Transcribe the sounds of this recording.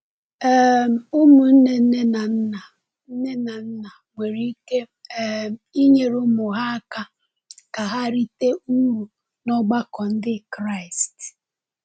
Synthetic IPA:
ɛ˦˨m̩˨ʊ˦mʊ˨n̩˦ne˨˦ne˦na˨n̩˦na˨ | n̩˦ne˦na˨n̩˦na˨ŋʷe˨ɾi˦i˦ke˦˨ | m˨i˦ɲe˨ɾʊ˦mʊ˨ɦa˦a˦ka˦ | ka˨ɦa˦ɾi˦te˦u˦ɾu˨ | nɔ˦ɡ͡ba˦kɔ˨n̩˦dɪ˦kɾa˦˨ɪ˨st

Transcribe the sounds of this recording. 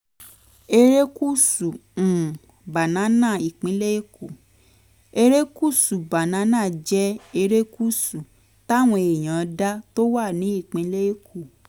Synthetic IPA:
e˧ɾe˦ku˦sũ˨ | ba˨nã˨˦nã˦˨i˨k͡pĩ˨˦le˦e˦˨ku˨ | e˧ɾe˦ku˦˨su˨ba˨nã˨˦nãː˦˨d͡ʒɛ˦e˧ɾe˦ku˦˨su˨ | ta˦˨w̃ɔ̃˧e˨j̃ã˨˦da˦to˦wa˦˨nĩ˨˦i˦˨k͡pĩ˨˦le˦e˦kʰu˨

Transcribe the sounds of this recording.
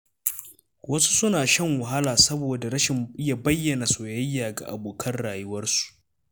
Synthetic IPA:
wɐ˦su̥˦sʊ˦naː˨ʃɐ˦ŋwʊ˨ɦa˦laː˨sɐ˦boː˨da˨ɾɐ˦ʃɪ˨mʔɪ˦ja˨bɐ˦jːɐ˨na˨soː˨jɐ˦jːaː˨ɡa̰˨ʔa̰˨boː˨kʰɐ˦nɽaː˨jʊ˦wɐ˦rsu̥˨ʔ

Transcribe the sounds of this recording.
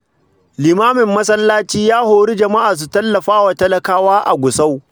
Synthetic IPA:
lɪ˨maː˦mɪ˨mːɐ˦sɐ˦lːaː˦t͡ʃiː˦jaː˦hoː˨ɽi˦d͡ʒɐ˨ma˦ʔaː˨s̬u˨tɐ˦lːɐ˨ɸaː˦wa˨tɐ˦lɐ˨kaː˦waː˦ʔa̰˨ɡʷʊ˨sa˦w

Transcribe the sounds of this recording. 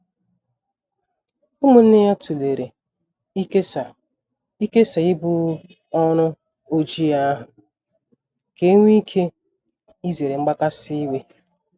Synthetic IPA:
ʊ˦mʊ˨n̩˦nɪ˦ja˦tu˨le˨ɾe˨ | i˦ke˦sa˨ | i˦ke˦sa˨ɪ˦bʊ˦ | ɔ˦nʊ˦ | o˦d͡ʒi˦a˦ɦʊ˨ | ke˦ŋʷi˦kʰe˦ | i˦ze˨ɾe˨ŋ͡m̩˦ɡ͡ba˦ka˦si˦i˦we˦

